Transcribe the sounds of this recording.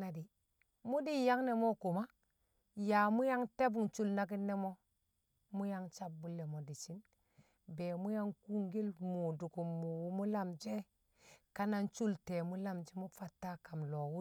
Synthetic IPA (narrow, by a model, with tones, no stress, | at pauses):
na˦di˨ | mu˦di˦ja˦ŋne˨mo˦ku˨ma˦ | ja˨mu˦ja˦ŋte˦bu˨ŋt͡ʃu˦lna˦k̬i˦nːe˦mo˦ | mu˦ja˦ŋt͡ʃa˦b̚bu˦lːe˨mo˨di˨t͡ʃi˦n | be˨mu˦ja˦ŋku˦ŋɡi˦lmu˨du˨ku˨mːu˨wu˦mu˦la˦md͡ʒe˦ | ka˦na˦nt͡ʃu˦lte˨mu˦la˦mt͡ʃi˦mu˦fa˦tːa˦ka˨mlo˨wu˦